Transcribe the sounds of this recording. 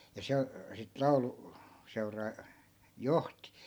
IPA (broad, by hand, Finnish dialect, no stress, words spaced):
jɑ se sit lɑulu seurɑː johti